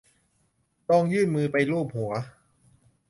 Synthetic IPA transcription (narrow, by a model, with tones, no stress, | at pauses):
t̪ɔː˧ŋjɯː˥˩nmɯː˧pa˧jluː˥˩p̚hu˩˦ɐ